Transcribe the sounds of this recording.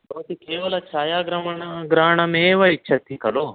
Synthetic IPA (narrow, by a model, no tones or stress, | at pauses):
ɐʋɐt̪ikeːʋɐlɐt͡ʃaːjaːɡɾɐmɐɳɐɡɾaːɳɐmeːʋɐit͡ʃʰːɐt̪ːikɐlo